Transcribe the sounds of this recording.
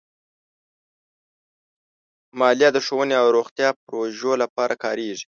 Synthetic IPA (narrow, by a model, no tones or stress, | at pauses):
mɑlijɑd̪əʂowəneawɾoxt̪jɑpɾoʒolapɑɾakɑɾeʐi̥